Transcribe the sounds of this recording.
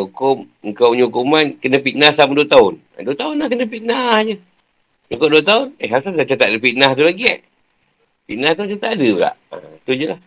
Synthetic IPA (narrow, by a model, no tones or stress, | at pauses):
ukʊm | əŋkawɲukumankənəpiʔnahsamaduət̪aʊn | a̰duət̪aʊnlahkənəpiʔnahd͡ʒə | ɲukʊp̚duət̪aʊnəɦaɾusadat͡ʃat̪aʔdəpiʔnaht̪ulaɡia̰ʔ | piʔnaht̪ut͡ʃat̪aʔdəbəla̰ʔa̰t̪ud͡ʒəlah